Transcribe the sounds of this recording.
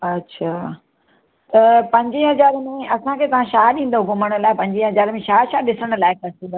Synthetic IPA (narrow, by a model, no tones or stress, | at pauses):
ɐtːɕʰaː | t̪ɐpɐ̃ɲd͡ʑiɦɐzaːɾmẽɐsãkʰeːt̪ɐʋ̤ãʃaːɗĩːn̆d̪oɡʊməɽ̃ə̆laːɪpɐ̃ɲd͡ʑiɦɐzaːɾmẽʃaːʃaːɗɪsəɽ̃laːɪkɐsĩbə